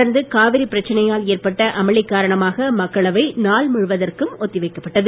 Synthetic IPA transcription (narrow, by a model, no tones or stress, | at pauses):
ɐɾnd̪ɯkaːʋɪɾipːɪɾɐt͡ʃːɐnɐjaːleːrpɐʈːɐʔɐmɐɭɪkːaːɾɐɳɐmaːɣɐmɐkːɐɭɐʋɐɪnaːɭmʊɻʋɐðɐrkɯmɔt̪ːɪʋɐɪkːɐpːɐʈːɐðɯ